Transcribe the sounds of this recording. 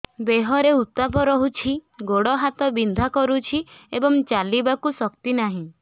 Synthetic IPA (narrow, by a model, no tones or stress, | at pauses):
beɦɔɾeut̪apɔɾɔɦut͡ʃʰiɡoɽɔɦat̪ɔbind̪ʱakɔɾut͡ʃʰiebɔŋt͡ʃalibakusɔkt̪inaɦĩ